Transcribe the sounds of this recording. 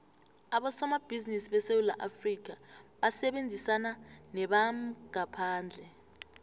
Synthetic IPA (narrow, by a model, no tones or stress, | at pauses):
aɓɔsɔmab̥ʱizinisiɓɛsewula̰ʔafrik̬aɓasɛɓend͡zʱisananɛɓamɡ̥ʱapʰaːnd͡ɮʱɛ